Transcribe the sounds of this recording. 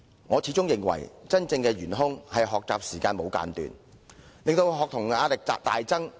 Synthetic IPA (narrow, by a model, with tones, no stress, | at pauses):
ŋɔː˨˧t͡sʰiː˨˥t͡sʊ˥ŋjɪ˨ŋwɐ̰˨˩jt͡sɐ˥nt͡sɪ˧ŋkɛː˧ɥyː˨˩nɦʊ˥ŋhɐ˨jɦɔː˨k̚t͡saː˨p̚siː˨˩kaː˧nmo˨˧wka̰ː˧nt̪y̰ː˨˩n | lɪ˨ŋt̪o˧wɦɔː˨k̚t̪ʰʊ˨˩ŋaː˨˧lɪ˨k̚t͡sa̰ː˨p̚t̪a̰ː˨jt͡sɐ˥ŋ